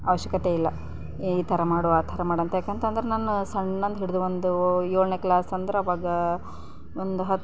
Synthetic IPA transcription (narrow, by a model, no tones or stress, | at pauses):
ɐʋɐʃjɐkɐt̪eilːɐ | iːt̪ʰɐɾɐmaːɽɔaːt̪ʰɐɾɐmaːɽɐnt̪jaːkeːnt̪ɐnd̪ɐɾenaːnːusɐɳːɐnd̪ɦiɽud̪uʋond̪ujoːɭneklaːsɐnd̪ɾeɐʋaːɡɐ | ond̪uɦɐ